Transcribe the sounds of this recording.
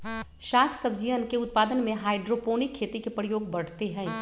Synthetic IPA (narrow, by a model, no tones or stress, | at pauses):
ʃaːkʰsɐb̚d͡ʒiʋənkeʊt̪̚paːd̪ənmẽɦaːɪɖɾopoːnɪkʰːeːt̪ikepɾəjoːɡ̚bɐɽ̤t̪eɦɛ̃ː